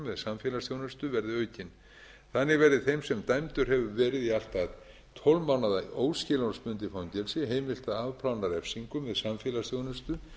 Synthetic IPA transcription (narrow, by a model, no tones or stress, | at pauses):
mːvɛðsamfjɛːlasθjownʏst̪ʏvɛɾðɪœːɥcɪn | θanːɪɣvɛɾðɪθejmsɛmt̪ajmt̪ʏɾ̥hɛvʏvɛːɾɪðial̥t̪að | t̪ʰɔlmawnaðaoːwscɪlanspʏnt̪ɪfawɲcɛlsɪɦeːjmɪl̥t̪aaːvpʰlawnaɾɛfsiŋkʏmvɛðsamfjɛːlasθjownʏst̪ʏ